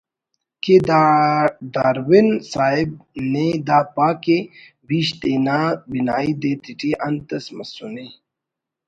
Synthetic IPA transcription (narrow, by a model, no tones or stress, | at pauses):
ke | d̪aːɾwinsaːib̚ned̪aːpaːke | biːɕt̪enaːbinaːid̪et̪iʈiʔɐnt̪ɐsmɐsune